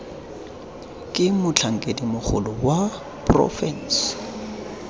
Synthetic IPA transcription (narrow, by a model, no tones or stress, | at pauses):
kʼɪmʊt͡ɬʰaŋ̩kʼedimʊk͡xʰʊ̰lʊwa | prɔ̰fɛn̩s